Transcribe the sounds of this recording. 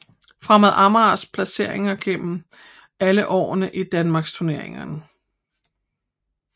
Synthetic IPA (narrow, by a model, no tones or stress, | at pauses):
fʁamæð̩ˠʔɑmɑspʰlæse̝ɐ̰e̝ŋɐɡ̥em̰m̩ | æləʔɒ̰ːnəʔid̥ænmɑ̈ːɡ̥st͡sʰuɐne̝ɐ̰eŋɐnə